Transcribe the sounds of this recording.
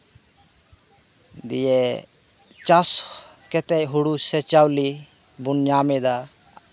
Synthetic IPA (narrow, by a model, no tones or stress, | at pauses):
d̪ḭjɛ | t͡ʃaskɛt̪ɛjɦuɽusɛt͡ʃawli | bunɲamɛd̪a